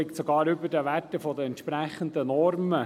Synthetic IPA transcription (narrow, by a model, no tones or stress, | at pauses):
ɪktsɔɡɑːɾʏbədəʋætːəfɔd̪əɛnt̪ʃpɾæχənd̪ənɔɾmə